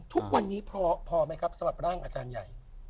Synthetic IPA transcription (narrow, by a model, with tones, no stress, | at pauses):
t̪ʰu˦˥k̚wa˧nːiː˦˥pʰɔː˧pʰɔː˧ma˦˥jkʰa˦˥p̚sa˧ba˨˩p̚ɾaː˥˩ŋʔa̰ː˧t͡ɕaː˧nja˨˩j